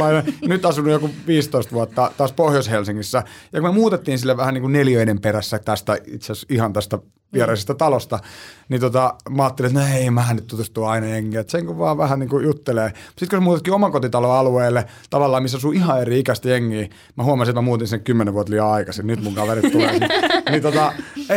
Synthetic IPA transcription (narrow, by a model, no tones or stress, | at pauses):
ɑinɑnyt̪ɑsunːujokuʋiːst̪oist̪ʋuɑt̪ːɑt̪ɑːspohjoshelsiŋːisːæjɑkumemuːt̪et̪ːiːnsilːeʋæhæniːŋkunneljøinemperæsːæt̪æst̪æḭt̪sesihɑnt̪æst̪æ | ʋiɛɾɑisest̪ɑt̪ɑlost̪ɑnit̪ot̪ɑmɑɑːt̪ːelit̪noeimæːnyt̪t̪ut̪usht̪uɑinɑjeŋːieːet̪seŋkuʋʋɑːʋæhæniːŋkujut̪ːeleːsit̪kusemuːt̪et̪kiomɑkot̪it̪ɑloɑlueːlːe | t̪ɑʋɑlːɑːmmisːæsuːihɑeriikæst̪æjeŋːiː | mæhuɑmɑsiet̪mæmuːt̪t̪insinːekymːeneʋuoɑt̪liɑɑikɑsinnyt̪muŋkɑʋerit̪t̪ulenit̪ot̪ɑ